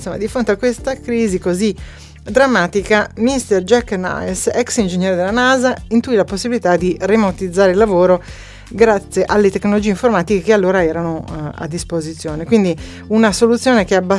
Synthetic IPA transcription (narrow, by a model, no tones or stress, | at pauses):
nsomːad̪ifɾont̪eakːwest̪akɾiːzikozi | d̪ɾamːaːt̪ikamist̪erd͡ʒɛkːna̰jsɛksind͡ʒeɲːɛːɾed̪elːanaːzaint̪uilaposːibilit̪ad̪iremot̪id̪zːaːɾeilːavoːɾo | ɡɾat̪sːjeʔalːet̪eknolod͡ʒiːeiɱformaːt̪ikekealːoːɾaɛːɾanoa̰d̪ːispozit̪sːjoːnekwind̪i | unasolut̪sːjoːnek̟eaba